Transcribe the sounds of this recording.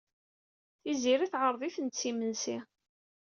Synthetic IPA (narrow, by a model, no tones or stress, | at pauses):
θiziɾiθʁəɾˤðˤiθənt̪t͡sːiməlsi